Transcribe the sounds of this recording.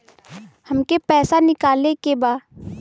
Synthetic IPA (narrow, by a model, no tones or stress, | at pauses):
hɐmkepɛːsanɪkaːlekebaː